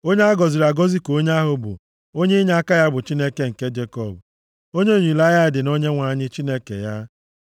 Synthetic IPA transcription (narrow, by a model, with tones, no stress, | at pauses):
o˦ɲe˦a˦ɡɔ˨zɪ˨ɾa˨ɡɔ˦zi˦ko˦ɲ˦a˦ɦʊ˨bʊ̰˨ | o˦ɲe˦ɲa˦a˦ka˦ja˦bʊ˨t͡ʃi˦ne˦ke˦ŋ̩˨ke˦d͡ʒe˦kɔ˦˨b | o˦ɲe˦˨ɲi˨la˦ja˦ɪ˨dɪ˨no˦ɲe˦ŋʷa˨ɲɪ˦t͡ʃi˦ne˦kḛ˨ja˦